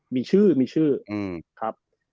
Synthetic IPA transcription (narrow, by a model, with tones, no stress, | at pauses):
miː˧t͡ɕʰɯː˥˩miː˧t͡ɕʰɯː˥˩ʔɯː˧˩kʰɾa˦˥p̚